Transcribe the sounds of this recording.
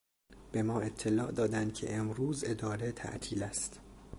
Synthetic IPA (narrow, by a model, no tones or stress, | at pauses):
b̥e̞mɒːe̞t̪ʰːe̞lɒːʔd̪ɒːd̪ænd̪̚cʲʰe̞̰ʔemɾuːze̞d̪ɒːɾet̪ʰæ̰ʔt̪ʰiːlæst̪